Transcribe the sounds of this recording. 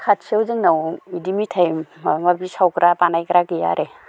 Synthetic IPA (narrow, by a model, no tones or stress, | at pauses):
kʰat̚siawzɯŋnawidimitʰajmŋabisawkɾʔapanajkɾakija̰ɾʔe